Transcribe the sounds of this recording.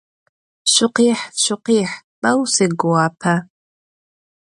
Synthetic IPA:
ʃʷʊqiːħʃʷʊqiħpʼɐwseɡowapʰa

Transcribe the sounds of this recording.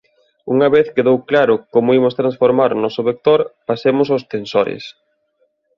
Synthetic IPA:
uŋɐβeθkeðowklaɾʊkomʊimʊst̪ɾansfoɾmaɾonɔsʊβek̚t̪oɾpasemʊsost̪ensoɾɪ̰s

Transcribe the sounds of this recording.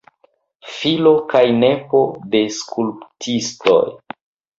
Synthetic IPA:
filo̞kajne̞po̞de̞skʰulptʰisto̰j

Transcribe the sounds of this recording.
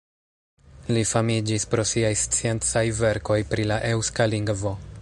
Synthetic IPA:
lifamid͡ʒispɾo̞siajst͡sie̞nt͡sajve̞ɾko̞jpɾilaʔe̞wskaliŋɡvo̞

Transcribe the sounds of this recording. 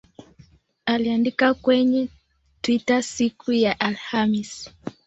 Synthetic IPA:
aliandikakwɛɲɛ | twitasikujaʔalhamis

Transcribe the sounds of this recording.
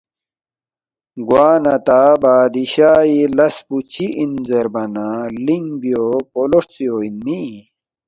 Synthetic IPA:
ɡwaːnɐt̪abaːd̪iɕaːjilɐsput͡ɕiʔinzeɾbɐnaliŋbiopoloʂt͡sioːinmi

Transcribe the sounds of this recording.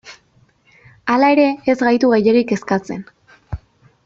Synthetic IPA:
alae̞ɾe̞ːzɣajt̪uɣejeɾike̞skat͡se̞̰n

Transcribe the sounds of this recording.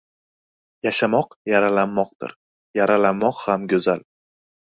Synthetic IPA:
jaʃamɒqjaɾalanːɒq̚d̪ɪ̰ɾ | jaɾalanːɒqhamɡʲɵzal

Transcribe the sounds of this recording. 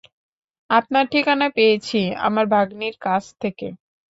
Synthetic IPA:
ap̚naʈʰikanapejet͡ɕʰia̰maɾbʱaɡniɾkat͡ɕʰt̪ʰeke

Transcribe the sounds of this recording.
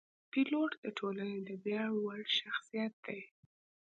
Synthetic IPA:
piloʈd̪əʈʰolaned̪əbjɑɽwaɽʃaxsijat̪̚d̪̥aj

